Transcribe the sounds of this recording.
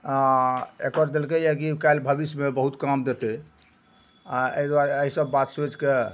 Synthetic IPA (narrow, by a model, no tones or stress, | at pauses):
aḛkəɾd̪elkejakikajlbʱəbismebəɦut̪kamd̪et̪e | aə̰ɦid̪waɾəɦisəbːat̪sed͡ʒke